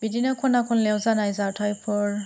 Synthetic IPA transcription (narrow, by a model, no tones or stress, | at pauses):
bidinɔkʰɔnakʰɔnlɛwzanajzatʰajpʰɔɹ